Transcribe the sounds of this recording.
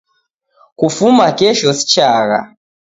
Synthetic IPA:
kufumakɛʃɔsi̥t͡ʃaɣa̰

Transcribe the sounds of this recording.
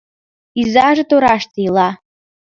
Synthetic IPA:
izɑʒĕt̪oɾɑʃt̪ɤilɑ

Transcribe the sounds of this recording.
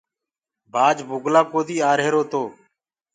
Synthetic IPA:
bʱaːd͡ʒbʱʊɡlaːkoːd̪iːaːɾɦeːɾoːt̪oː

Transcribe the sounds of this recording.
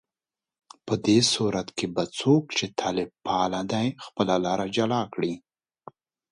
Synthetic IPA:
pəd̪esuɾat̪kebat͡sokt͡ʃet̪ʰaːlɪb̚pɑːlad̪ajxpəlalɑːɾad͡ʒalɑːkɽi

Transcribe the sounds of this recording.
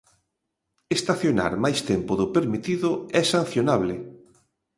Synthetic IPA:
est̪aθjona̰ɾmajst̪ɛmpʊðʊpeɾmit̪iðʊɛsan̟θjonaβlɪ

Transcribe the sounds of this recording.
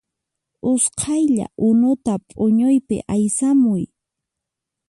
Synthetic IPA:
ʊsqʰɑjʎa̰ʔʊnʊt̪apʼʊɲʊjpɪ̰ʔajsamʊj

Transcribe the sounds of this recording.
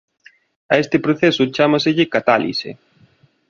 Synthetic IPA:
aest̪ɪpɾoθesʊt͡ʃamasɪʎɪkat̪alḭsḛ

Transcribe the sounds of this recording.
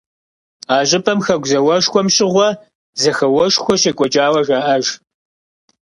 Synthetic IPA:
aːʑʼɪpʰɐmxɐɡʷzɐwɐʂxʷɔmɕʼɪʁʷɔ | zɐxɐwɐʃxʷɔɕɐkʷʼɔt͡ʃʼaːwɐʒaːʔɐʒ

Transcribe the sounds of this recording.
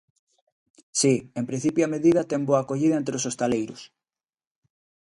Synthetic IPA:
siempɾĩn̟θipjoameðiðɐt̪emboakoʎiðɐẽnt̪ɾeosost̪alejɾʊs

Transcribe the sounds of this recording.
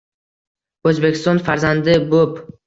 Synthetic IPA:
ɵzbekʲɪst̪ɒnfaɾzand̪ɪbop

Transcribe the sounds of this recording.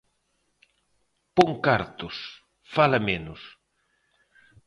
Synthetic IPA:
poŋkaɾt̪ʊs | falɐmenʊs

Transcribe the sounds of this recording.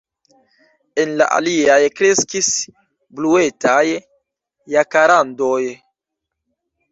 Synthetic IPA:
e̞nla̰ʔa̰liajkɾe̞skis | blue̞tʰajː | akaɾando̞j

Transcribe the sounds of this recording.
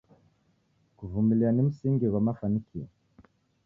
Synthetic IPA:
kuvumiliɾanimisiːŋɡiɡwamafanikie

